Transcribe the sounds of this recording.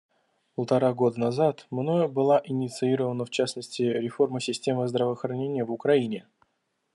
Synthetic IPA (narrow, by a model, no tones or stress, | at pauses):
pəlˠt̪ɐɾaɡo̞d̪ənazat̪mno̞jəbɨlˠaʔɪnʲɪt̪sɨiɾəvənəft͡ɕasnəsʲtʲɪɾʲɪfo̞rməsʲɪsʲtʲe̞məzd̪ɾəvəxɾɐnʲenʲɪjəvʊkɾɐinʲɪ